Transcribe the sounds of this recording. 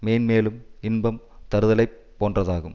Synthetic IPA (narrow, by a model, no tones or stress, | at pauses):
meːnmeːlɯmɪnbɐm | t̪ɐɾɯðɐlɐɪpːoːndrɐðaːɣɯm